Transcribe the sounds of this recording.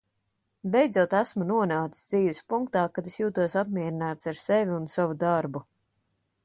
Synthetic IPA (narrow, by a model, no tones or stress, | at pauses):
bɛjd̪zuɔt̪æsmunuɔnaːt̪i̥sd̪ziːvispuŋkt̪aːkad̪esjuːt̪uɔsapmʲiɛɾinaːt̪saɾsevʲiunsavud̪aɾbu